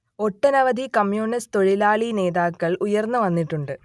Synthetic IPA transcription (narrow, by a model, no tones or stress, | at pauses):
o̞ʈːɐnɐʋɐd̪ikɐmjuːnist̪o̞ɻilaːɭine̞ːðaːkːɐɭʔujɐrnːuʋɐnːiʈːuɳɖɨ